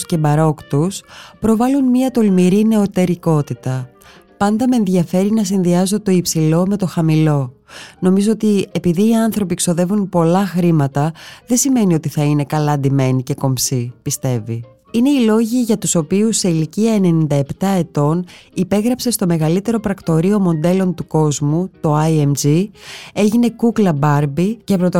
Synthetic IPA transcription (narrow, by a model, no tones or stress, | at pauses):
ce̞bɐɾo̞kt̪uspɾo̞vɐlunmiɐt̪o̞lmiɾine̞o̞t̪e̞ɾiko̞t̪it̪ɐpɐnd̪ɐmenðʝɐfe̞ɾinɐs̬inðiɐzo̞t̪o̞ipsilo̞me̞t̪o̞xɐmilo̞no̞mizo̞ot̪ie̞piðiːɐnθɾo̞pikso̞ðe̞vunpo̞lɐxɾimɐt̪ɐðe̞sime̞nio̞t̪iθɐine̞kɐlɐnd̪ime̞nice̞ko̞msipist̪e̞vi | ine̞ilo̞ʝiʝɐt̪uso̞piusːe̞iliciɐene̞nind̪ɐept̪ɐe̞t̪o̞nipe̞ɣɾɐpse̞st̪o̞me̞ɣɐlit̪e̞ɾo̞pɾɐkt̪o̞ɾio̞mo̞nd̪e̞lo̞nt̪uko̞zmut̪o̞ɐiemd͡ʒie̞ʝine̞kuklɐbɐɾbicepɾo̞t̪o